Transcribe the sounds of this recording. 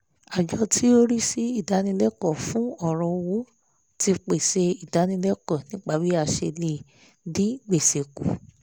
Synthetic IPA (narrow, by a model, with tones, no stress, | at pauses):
a˨d͡ʒɔ˧tʰi˦o˦ɾi˦si˦i˦˨da˨˦nĩ˧˦lɛ˦kɔ˦˨fũ˨˦ɔ˦˨ɾ̃ɔ̃˧wu˨˦ | ti˧k͡pe˨se˧i˨da˨˧˦nĩ˧lɛ˦kɔ̃˦˨nĩ˦k͡pa˦˨bi˦a˦˧˨ʃe˧le˧˦˨ | dĩ˨˦ɡ͡be˨se˨ku˨